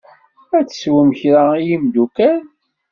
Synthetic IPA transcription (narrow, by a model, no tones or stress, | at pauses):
æt͡sːə̥swəmçɾaijimd̪ukæn